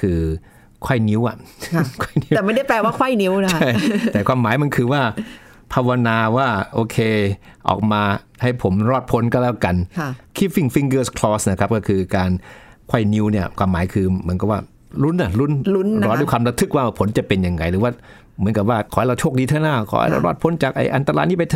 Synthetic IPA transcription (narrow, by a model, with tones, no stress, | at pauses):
kʰɯː˧ | kʰwɔ˥˩jni˦˥wʔa̰˨˩ʔkʰɔ˥˩jni˦˥ɛː˨˩ma˥˩jda˥˩jpɛː˧waː˥˩kʰa˥˩jni˦˥wn˧˥t͡ɕʰa˥˩j̪ɛː˨˩kʰwaː˧mːaː˩˦jma˧nkʰɯː˧waː˥˩ | pʰaː˧wa˧naː˧waː˥˩ʔoː˧kʰeː˧ | ʔɔ̰ː˨˩k̚maː˧ | ha˥˩jpʰo˩˦mɾɔː˥˩t̪̚pʰo˧˦nkɔː˥˩lɛː˦˥˩wka˧nʰ˧˩kʰiː˦˥˩fi˧˥˩ŋfi˦˧ŋɡɤː˥˩skʰlɔː˦˥sna˥˩kʰa˦˥p̚kɔ˥˩kʰɯː˧kaː˧nkʰwa˥˩jni˦˥wni˥˩ɐkʰwaː˧mːaː˩˦jkʰɯː˧mɯ˩˦nka˨˩p̚waː˥˩ | lu˦˥nʔa˧˩lu˦˥nu˦˥nɾɔː˧˦nduː˥˩˨kwaː˧mɾa˦˧t̪ʰːɯ˦˥k̚waː˥˩pʰo˨˩˦nt͡ɕa˨˩pe˧nja˧ŋːa˧jɾɯː˨˦waː˥˩ | mɯ˩˦ənka˨˩p̚waː˥˩kʰɔː˨˦hɾa˧wt͡ɕʰo˥˩k̚iː˧t̪ʰaː˥˩naː˥˩kʰɔ̰ː˧˦ha̰˥˩jɾa˧wɾɔː˥˩t̪̚pʰo˨˧˥nt͡ɕaː˨˩k̚ʔa̰˧jʔa˧nt̪a˧ɾa̰ː˧jniː˥˩pa˧jt̪ʰ